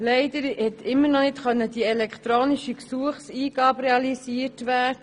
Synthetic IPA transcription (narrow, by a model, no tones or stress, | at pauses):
lɛɪdəɾhɛt̪ɪmːənɔnɪtχœnːəd̥iɛlɛkt̪ɾoːniʃiksuəχsiːɡ̥ɑːbɾɛɑlisiːəɾtʋæːɾdə